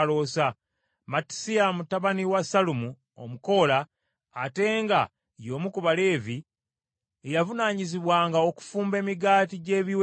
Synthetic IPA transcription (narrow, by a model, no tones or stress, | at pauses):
lo̞sa | mati̥sijamutaβaniwasalumu | o̞̰muko̞laː | te̞ːŋɡa̰ | jo̞ːmukuβale̞ːvi | ejavunaːɲiziβwaːŋɡaoku̥fuːmbe̞ːmiɡaːtiɟe̞ːβiw